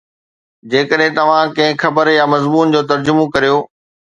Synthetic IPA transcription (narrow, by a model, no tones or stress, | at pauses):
d͡ʑeːkəɗɦɪ̃t̪ɐʋ̤ãkɐ̃ɦɪ̃xɐbəɾjamɐzmuːnd͡ʑoːt̪ɐɾd͡ʑʊmokɐɾijoː